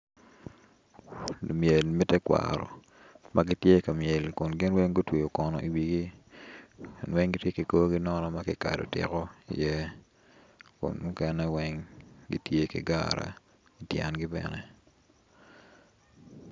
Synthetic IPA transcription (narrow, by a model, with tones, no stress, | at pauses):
mje˨lmɛ˦tɛ˦kwa̰ɾɔ̰˨ | ma˦ɡɪ˦tje˦ka˨mje˨lkʊ˨nɡɪ˦nwɛ˦ŋɡo˦twe˨jo˨kɔ˨nɔ̰˨i˨wi˨ɡi˦ | kʊ˨nwɛ˦ŋɡi˦tje˦ki˨ko˦ɡi˦nɔ˦nɔ˦ma˦kɪ˨ka̰˨do̰˨tɪ̰˨kɔ˦ḭ˨jɛ˦ | kʊ̰˨nmu˦kɛ˦nɛ˦wɛ˦ŋɡḭ˦tje˦kɪ̰˨ɡa̰ɾa̰˨ | i˨tjɛ̰˨nɡɪ˦bɛ̰˨nɛ˨